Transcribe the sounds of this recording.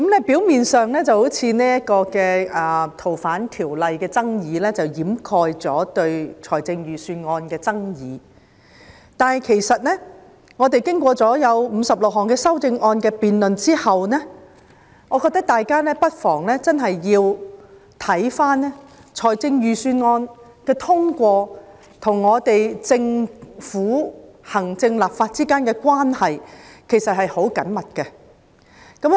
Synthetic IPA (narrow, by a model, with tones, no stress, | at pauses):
kɐ˨˥mnɛː˥piː˨˥wmiː˨nsœː˨˧ŋlɛː˥t͡sɐ˨who˨˥wt͡sʰiː˨˧nɛː˥jɐ˥t̚kɔː˧kɛː˧ʔɐː˨t̪ʰo˨˩wfaː˨˥nt̪ʰiː˨˩wlɐ˨jkɛː˧t͡sɐ˥ŋjiː˨˧lɛː˥t͡sɐ˨˩wjiː˨˥mkʰɔː˧jt͡sɔː˨˥t̪ɵ˧ɥt͡sʰɔː˨˩jt͡sɪ˧ŋjyː˨syː˧nŋɔː˧nkɛː˧t͡sɐ˥ŋjiː˨˧˦ | t̪aː˨nhɐ˨jkʰe˨˩jsɐ˨t̚nɛː˥ | ŋɔː˨˧t̪e˨jkɪ˥ŋkʷɔː˧t͡sɔː˨˥jɐ˨˧wm̩˨˧sɐ˨p̚lʊ˨k̚ɦɔː˨˩ŋkɛː˧sɐ˥wt͡sɪ˧ŋɔː˧nkɛː˧piː˨nlɵ˨nt͡siː˥hɐ˨wnɛː˥ | ŋɔ˨˧kɔː˧t̪ːɐ˥k̚t̪aː˨jkaː˥lɛː˥pɐ˥t̚fɔː˨˩ŋlɛː˥t͡sɐ˥nɦɐ˨jːiː˧w | t̪ʰɐ˨˥jfaː˥nːɛ˥ | t͡sʰɔː˨˩jt͡sɪ˧ŋjyː˨syː˧nŋɔː˧n | kɛː˧t̪ʰʊ˥ŋkʷɔː˧ | t̪ʰʊ˨˩ŋːɔː˨˧t̪e˨jt͡sɪ˧ŋfuː˨˥hɐ˨˩ŋt͡sɪ˧ŋlaː˨p̚faː˧t̚t͡siː˥kaː˥nkɛː˧kʷaː˥nhɐ˨jkʰe˨˩jsɐ˨t̚ɦhɐ˨jho˨˥wkɐ˨˥nmɐ˨t̚kɛ˧ | kɐ˨˥m